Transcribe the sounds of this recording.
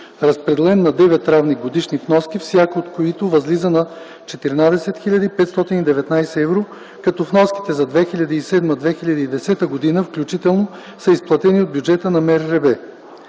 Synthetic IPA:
ɾɐspɾɛd̪ɛlɛnːɐd̪ɛvɛt̪ːɾavniɡod̪iʃnifnɔskʲifsʲjakəot̪koit̪ovɐzlizənɐ | t͡ʃɛt̪iɾnad̪ɛsɛt̪xiʎʲɐd̪iːpɛt̪st̪ɔt̪inid̪ɛvɛt̪najsɛɛvɾo | kɐt̪ɔfnɔski̥t̪ɛzɐd̪vɛxiʎʲɐd̪əisɛd̪məd̪vɛxilʲɐd̪əid̪ɛsɛt̪əɡod̪inəfklʲut͡ʃit̪ɛlˠno | səisplˠɐt̪ɛniod̪̚bʲjud͡ʒɛt̪ənɐmɛɾɾɛbɛ

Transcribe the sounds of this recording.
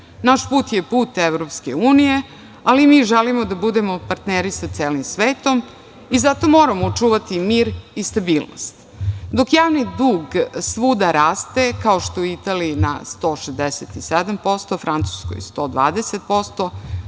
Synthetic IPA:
naʃpuːt̪jepuːt̪eʋɾopskeuːnije̞ | alimiːʒelimod̪abud̪emo̞paɾt̪neɾisat̪seːlimsʋeːt̪o̞m | izat̪o̞mo̞ːɾamoːt͡ʂuːʋat̪imiːɾist̪abiːlˠno̰st̪ | d̪o̞kjaːʋnid̪uːɡsʋuːd̪aɾaːst̪e̞kaoʃt̪ouit̪aːliːna̰st̪o̞ːʃezd̪eset̪ised̪ampo̞st̪ofɾant̪su̥sko̰jst̪o̞ːd̪ʋa̰ːd̪eset̪̚po̞st̪o̞

